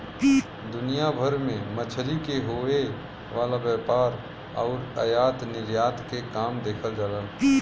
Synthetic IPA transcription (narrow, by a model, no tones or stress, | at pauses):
d̪ʊnijabʱəɾmẽmət͡ʃʰɾikeɦoe | ʋaːlabjaːpaːɾ | ɔːɾə̰jaːt̪nɪɾjaːt̪kekaːmd̪eːkʰəld͡ʒaːləl